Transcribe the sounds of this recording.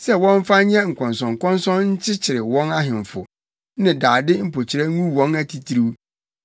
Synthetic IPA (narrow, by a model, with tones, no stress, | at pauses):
sɛ˦wɔ̃˦ɱ˦fa˦ɲɛ̃˦ŋ̩˨kʰɔ̃˨nsɔ̃˨ŋ˨kɔ̃˦n˦sɔ̃˦nɲ̩˦t͡ɕʰɪ˦t͡ɕʰɪ˨ɾɪ˨wɔ̃˦na˦ɦɪ̃˨ɱ˨fʊ˨ | nɪ̃˨daː˨dɪ˦m̩˦pʰo˨t͡ɕʰɪ˨ɾɛ˦ŋũ˦wɔ̃˦næ˦tʰi˨tʰi˦ɾi˦w